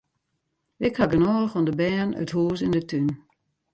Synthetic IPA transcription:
ɪkhaɡənɔːɣɔndəbɛnœ̰thuːs̬ɪndətyn

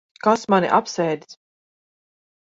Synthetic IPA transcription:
kasmaniʔapsɛjd̪s

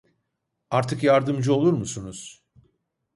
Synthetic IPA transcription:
aɾt̪ʰɯkjaɾd̪ɯmd͡ʒɯo̞lˠuɾmusunuz̥

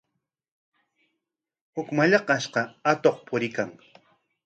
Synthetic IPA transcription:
hʊkmaʎɑqɑʃqɑat̪oχpʰʊɾɪkaŋ

